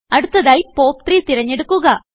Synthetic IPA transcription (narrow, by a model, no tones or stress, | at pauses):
ɐɽɯt̪ːɐðɐjpoːp̚t̪ɾiːt̪ɪɾɐɲːeɽɯkːuɣɐ